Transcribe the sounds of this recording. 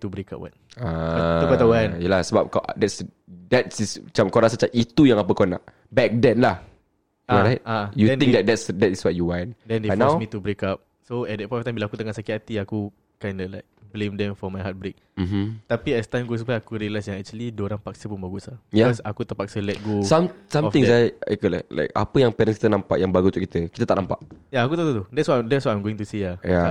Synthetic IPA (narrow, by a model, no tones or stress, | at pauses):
t̪ubɾeka̰p̚wa̰n | atukat̪awanjalahsəbap̚kadɛts | dɛtsismat͡ʃamkaɔɾasat͡ʃait̪ujãŋapəkɔna̰ʔ | bɛk̚dɛ̃nlah | aɾajt̚ajuɛ̃nĩkdɛt̚d̪ɛtsdɛtiswɔt̚juwandɛ̃ndafnɔasmit̪ubɾekap̚ | soɛdɛt̚pɔɛst̪ãnbilaakut̪əŋaʔsakit̪at̪iaku | kajndɔlaɪk̚blẽmdɛ̃mfɔmajɦat̚bɾek̚m̩m̩t̪apiɛst̪amɡosupajakuɾilasjaŋɛk̚t͡ʃəlidoɾaŋpak̚səpunbaɡusabijaɔsakut̪əpak̚səlɛt̚ɡosamsãɔft̪ĩŋaja̰kəla̰la̰jka̰pəjaŋpɛɾə̃nski̥t̪ənãmpaʔjaŋbaɡut̪uʔki̥t̪əki̥t̪ət̪aʔnampa̰ʔjaːkut̪ot̪ot̪udɛtswɔtadɛtswɔtãj̃mɡoɪ̃ŋt̪usiaja